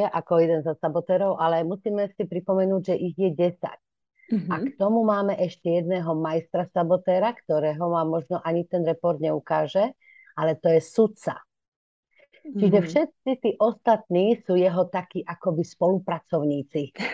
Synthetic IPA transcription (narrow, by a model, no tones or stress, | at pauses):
ɛʔakɔjɛd̪ɛnzɔsabɔt̪ɛːɾɔʊʔalɛmusiːmɛsipɾipɔmɛnuːɟʒɛʔiɣjɛɟɛsa̰c̚ | akt̪ɔmumaːmɛʔɛʃcɛjɛd̪nɛːɦɔmajst̪ɾasabɔt̪ɛːɾakt̪ɔɾɛːɦɔmamɔʒnɔʔaɲit̪ɛnɾɛpɔɾd̪ɲɛukaːʒɛ | ʔalɛt̪ɔjɛsutt͡sa̰ | t͡ʃiʒɛfʃɛt̪̚t͡sit̪iːʔɔst̪at̪niːsuːjɛɦɔt̪akiːʔakɔbispɔlupɾat͡sɔʊɲiːt͡si